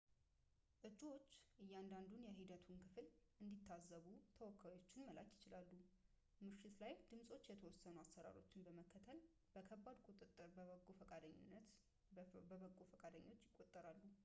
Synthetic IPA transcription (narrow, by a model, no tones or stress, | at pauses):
ʔɨt͡ʃʼːiwo̞t͡ʃːʔɨjːand̪and̪unjɛɦid̪ət̪ʰunkʰɨfɨlʔɨnd̪it̪ʰːazːəβut̪ʰəwɔkʰːajo̞t͡ʃːɪnməla̰kjɪt͡ʃɪlalːu | mɨʃɪt̪lajd̪̥ɨmsʼo̞t͡ʃːjɛt̪ʰəwɔsːənuasːəɾa̰ɾo̞t͡ʃːɪnbəməkʰːət̪ʰəl | b̥əkʰəbːad̪kʼut̪ʼɨt̪ʼːɨɾbəβəkʼːofəkʼad̪əɲːɪ̰nːət̪ | bəβəkʼːofəkʼad̪əɲːo̞t͡ʃːjɪkʼːot̪ʼːəɾalːu